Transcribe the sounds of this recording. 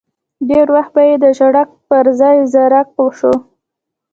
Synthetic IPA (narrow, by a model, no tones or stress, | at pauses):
ɖeɾwaxt̪̚bajed̪əʒaɽak̚pəɾzɑjzaɾak̚pəwʂu